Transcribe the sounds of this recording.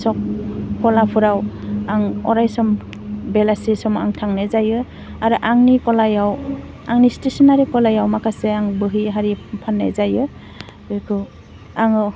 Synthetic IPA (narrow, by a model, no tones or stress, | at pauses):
sɔk̚kɔlapʰuɾawaŋɔ̰ɾajsɔm | belasisɔma̰ŋtʰaŋnajzajɯ | aɾɯʔaŋnikɔlajaw | aŋnistesɔnaɾikɔlajawmakʰaseaŋbɯɦiɦaɾipʰanːa̰jzajɯ | kʰɯ | aŋɯ